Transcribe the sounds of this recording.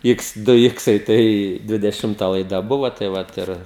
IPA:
ˈɪks ˈdʊ ˈɪksɐɪ ˈtɐɪ dʲʋʲɪdʲɛˈʃʲɪmtɐ lˠɐɪˈdɐ ˈbʊʋoː tɐɪ ˈʋɐt ɪr

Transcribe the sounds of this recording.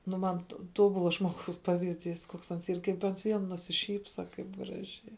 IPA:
nʊ ˈmɐn toː ˈtoːbʊlˠɐ ʒmoːˈɡɐʊs ˈpɑːʋʲɪzʲˌdʲiːs koːks ˈɐns ˈiːr kɐɪp ˈɐns ˈʋʲiɛn nʊsʲɪˈʃʲiːpsɐ ˈkɐɪp ˈɡrɑːʒʲɛɪ

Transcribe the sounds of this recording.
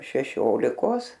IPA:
ʃʲɛˈʃʲoːlʲɪkoːs

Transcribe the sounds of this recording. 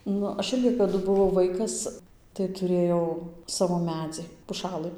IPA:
ˈnʊ ˈɐʃ ˈɪrʲɡʲɪ kɐˈdʊ bʊˈʋɐʊ ˈʋɐɪkɐs tɐɪ tʊˈrʲeːjɛʊ ˈsɑːʋoː ˈmʲæːd͡zʲɪ pʊˈʃɑːlˠɨ

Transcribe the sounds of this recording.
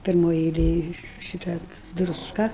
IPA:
pʲɪrˈmoːj ɛɪˈlʲeːj ˈʃʲɪtɐ drʊsˈkɐ

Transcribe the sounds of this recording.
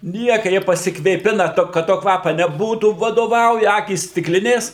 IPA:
ˈnʲiɛkɐ ˈjiɛ pɐsʲɪkʋʲeːˈpʲɪnɐ ˈtoː kɐt ˈtoː ˈkʋɑːpɐ nʲɛˈbuːtuː ʋɐdoːˈʋɐʊjɛ ˈɑːkʲiːs sʲtʲɪkˈlʲɪnʲeːs

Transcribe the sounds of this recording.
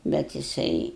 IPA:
ˈbʲɛt jɪˈsɐɪ

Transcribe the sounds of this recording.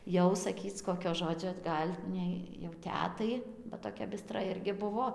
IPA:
ˈjɛʊ sɐˈkʲiːt͡s ˈkoːkʲoː ˈʒoːd͡ʒʲoː ˈɡɐlʲ nʲɛɪ jɛʊ ˈtʲæːtɐɪ bɐ toːˈkʲɛ bʲɪˈstrɐ ˈɪrʲɡʲɪ ˈbʊʋoː

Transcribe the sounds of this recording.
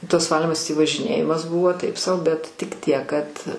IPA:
tɐs ˈʋɑːlʲiːmɐs tʲiː ʋɐʒʲɪˈnʲeːjɪmɐs ˈbʊʋoː ˈtɐɪp sɐʊ bʲɛt tʲɪk ˈtʲiɛk kɐt

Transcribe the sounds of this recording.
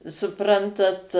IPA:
sʊˈprɐntɐt

